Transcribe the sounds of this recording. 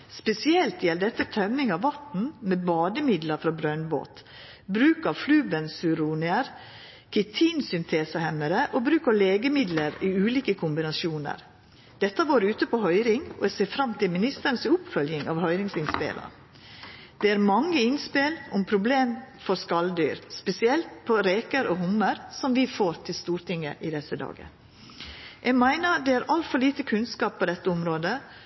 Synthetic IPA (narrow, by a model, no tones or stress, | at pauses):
spɛsɪɛlt̪jɛld̪ɛt̪ːət̪ʰœmːɪŋɑʋʋɑt̪n̩mɛːbɑːd̪əmɪd̪ləɾfɾɑbɾœnbo̰ːt̪ | bɾʉːkɑflʉːbənsʉɾuːnɪəɾ | kʰɛt̪ʰiːnsʏnt̪ʰeːsəhɛmːəɾəʔobɾʉːkəɾleːɡəmɪd̪ləɾiːʉːliːkəkʰʊmbɪnɑʃuːnə̰ɾ | d̪̥ɛt̪ːəʋoːɾʉːt̪əpʰohœʏɾɪŋɔ̰ɛseːfɾɑmːt̪ʰɪlmɪnɪst̪əɾənsʊpfœljɪŋɑʋhœʏɾɪŋsɪnspɪ̰lə̰ | d̪̥ɛæɾmɑŋːəɪnspɪlɔmpʰɾʊbleːmfɔɾskɑld̪y̰ːɾspɛsɪɛlt̪pʰɔɾeːkəɾʔɔhʊmːəɾsɔmʋɪfoːɾt̪ʰɪlst̪uːɾʈ̪ɪŋːə̰ʔɪd̪ɛsəd̪ɑ̰ːɡə̰ | ʔɛɡmæɪnəɾd̪ɛæɾʔɑlt̪fɔliːt̪əkʰʉnskɑːp̚ʰːɔd̪ɛt̪ːəʊmɾoːd̪ə